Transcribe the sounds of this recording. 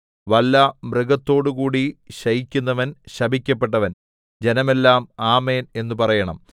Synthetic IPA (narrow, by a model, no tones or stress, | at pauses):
ʋɐlːɐmrɨɡɐt̪ːo̞ːɽukuːɽiɕɐjikʲːunːɐʋɐnɕɐbʱikʲːɐpːe̞ʈːɐʋɐn | d͡ʑe̞nɐme̞lːaːmaːme̞ːne̞nːupɐrɐjɐɳɐ̰m